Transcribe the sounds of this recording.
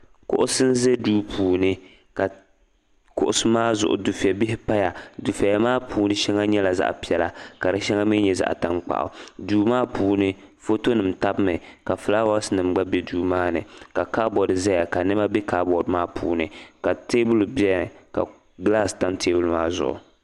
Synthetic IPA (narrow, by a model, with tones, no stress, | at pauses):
kʊ̰˦ʔʊ˦sɨ˦n̩˦ze˦duː˦pʰuː˨nɨ˦ | ka˨ | kʊ̰˦ʔʊ˦sɨ˦maː˦zʊ̰˨ʔʊ̰˨du˨fi˨ɛ˨bɪ˦hɪ˦pa˦ja˨du˨fa˨ja˦maː˦pʰuː˨nɨ˦ʃɛ˦ŋa˦ɲɛ˦la˨za̰˦ʔpi˦ɛ˨la˦ka˨ɾɨ˦ʃɛ˦ŋa˦mi˦ɲɛ˦za̰˦ʔta˦ŋk͡pa̰˨ʔʊ̰˨duː˨maː˦puː˨nɨ˦ | fo˦to˦nɨ˨m˨ta˦bmɨ˨ka˨fla˦wa˦snɨ˨m˦ɡ͡ba˦bɛ˦duː˦maː˦nɨ˨ka˨kaː˦bɔ˨dza˦ja˨ka˨nɨ˦ma˦bi˦kaː˦bɔ˨dmaː˦pʰṵː˨nɨ˨ka˨teː˦bʊ˦lbi˦ɛ˦˨ka̰˨ | ɡla˦˨sta˦mtʰeː˦bʊ˦lmaː˦zʊ̰˨ʔʊ̰˨